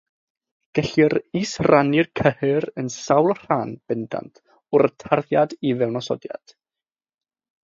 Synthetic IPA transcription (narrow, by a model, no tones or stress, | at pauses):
ɡ̥ɛɬiɾisranɪrkʰəhɪɾənsawlˠr̥aːnb̥ɛnda̰ntʰ | ʊɾətʰarðjadivɛwnɔsɔ̰dja̰d̥